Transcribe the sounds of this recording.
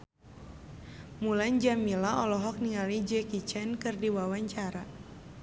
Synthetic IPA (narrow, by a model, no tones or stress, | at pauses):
muland͡ʒamilaɔlɔɦɔk̚niŋalid͡ʒɛkit͡ʃɛnkɨrdiwawaɲt͡ʃaɾa